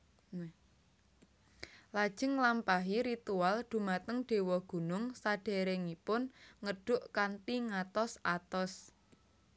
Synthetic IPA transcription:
lad̥ʒ̥ɪ̤ŋlampaɦiɾit̪ualɖ̪̥ṳmat̪əŋɖ̥e̤wɔɡ̥ṳnʊŋsaɖ̥e̤ɾɛŋipʊnŋəɖ̥ʊʔkant̪iŋat̪ɔsʔat̪ɔs

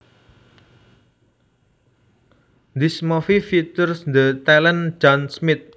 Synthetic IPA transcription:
nd̪ismɔfifit̪ʊrsnd̪ət̪ɛlənd͡ʒɔnsmɪt̪̚

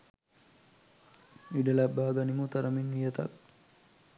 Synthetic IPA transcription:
iɖəlabːaːɡanimut̪aɾəmenʋijət̪a̰k̚

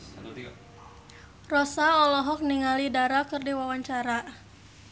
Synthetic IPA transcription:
rɔsaɔlɔɦɔk̚niŋalidaɾakɨrdiwawaɲt͡ʃaɾa

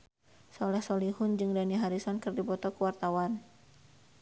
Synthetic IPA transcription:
sɔlɛhsɔlihʊnd͡ʒɨŋdaniɦaɾisɔnkɨrdibɔt̪ɔkuwart̪awan

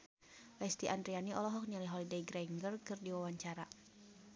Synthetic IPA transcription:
lɛst̪iʔand̪ɾianiʔɔlɔɦɔk̚naliɦɔlidejɡɾɛŋɡərkɨrdiwawaɲt͡ʃaɾa

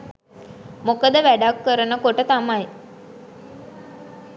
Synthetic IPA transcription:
mokəd̪əʋæɖakːəɾənəkoʈət̪amaj

